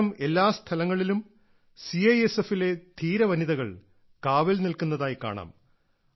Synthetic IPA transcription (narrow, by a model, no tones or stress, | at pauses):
ɐme̞lːaːst̪ʰɐlɐŋːɐɭilum | siɐjesefile̞d̪ʰʱiːɾɐʋɐniðɐɣɐɭ | kaːʋelnilkunːɐðaːjika̰ːɳa̰ːm